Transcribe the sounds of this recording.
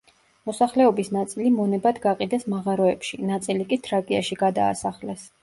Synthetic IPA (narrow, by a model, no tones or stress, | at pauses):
mɔsaχlɛɔbisnat̪sʼilimɔnɛbad̪ɡaqʼid̪ɛsmaʁaɾɔɛpʃinat̪sʼilikʼit̪ʰɾakʼiaʃiɡad̪a̰ːsaχlɛs